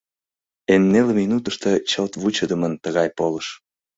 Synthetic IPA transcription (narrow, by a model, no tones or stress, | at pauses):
enːelminut̪əʃt̪ət͡ɕəlt̪βut͡ɕəd̪əmənt̪əɣɑjpoləʃ